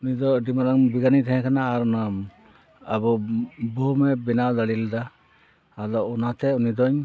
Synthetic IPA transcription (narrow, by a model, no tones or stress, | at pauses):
unidɔdimaɾaŋbiɡanit̪ʰahɛ̃kʰanaːɾuna | abɔbɔmɛbinawlalild̪a | alɔunat̪ʰɛunid̪ɔɲ